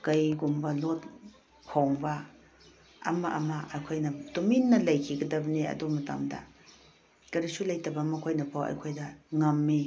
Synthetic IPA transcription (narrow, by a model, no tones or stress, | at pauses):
kɐjɡumbɐlot̚ | kʰoŋbɐ | ɐ̰mɐʔɐ̰mɐʔɐjkʰojnɐtominːɐlɐjkʰiɡɐdɐbɐniɐ̰dumɐta̰mdɐ̰ | kɐɾisulɐjtɐbɐmɐkʰojnɐpʰawɐ̰jkʰojdɐŋɐmːi